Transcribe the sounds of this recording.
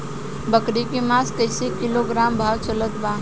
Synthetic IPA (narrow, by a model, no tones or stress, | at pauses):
bəkɽikimaːskəɪsekɪloɡɾaːmbʱaːt̪sələt̪baː